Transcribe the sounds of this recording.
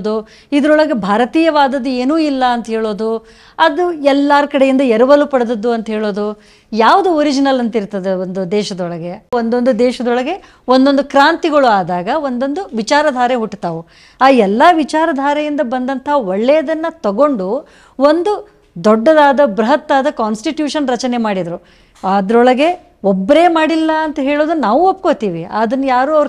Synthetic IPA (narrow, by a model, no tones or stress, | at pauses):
d̪u | id̪ɐɾɔɭɐɡe̞bʱaːɾɐt̪iːjɐʋaːd̪ɐd̪ːueːnuːilːɐːnt̪ɐɦɛːɭoːd̪u | ɐd̪uɛlːaːɾkɐɽejind̪ɐɛɾɐʋɐlupɐɽɐd̪ɐd̪ːuɐnt̪ɐɦeːɭoːd̪u | jaːʋɐd̪uoɾid͡ʒinɐlɐnt̪iɾt̪ɐd̪eond̪ud̪ɛːʃɐd̪ɔɭɐɡe̞ond̪ond̪ud̪ɛːʃɐd̪ɔɭɐɡe̞ | ond̪o̞nd̪ukɾaːnt̪iɡɐɭuaːd̪aːɡɐond̪o̞nd̪uʋit͡ʃaːɾɐd̪ʱaːɾeɦuʈːt̪aːʋu | aːɛlːɐʋit͡ʃaːɾɐd̪ʱaːɾɛjind̪ɐbɐnd̪ɐnt̪ɐɦɐɔɭːɛjɐd̪ɐnːɐt̪ɐɡo̞ɳɖu | ond̪u | d̪ɔɖːɐd̪aːd̪ɐbɾɐɦɐt̪ːaːd̪ɐkaːnsʈiʈjuːʂɐnɾɐt͡ʃɐne̞maːɽid̪ɐɾu | ɐd̪ɐɾɔɭɐɡe̞ | ɔbːɐɾe̞ːmaːɽilːɐːnt̪ɐɦeːɭoːd̪unaːʋuopːkoːt̪iːʋiaːd̪ɐnːɐjaːɾuːɐʋɐɾ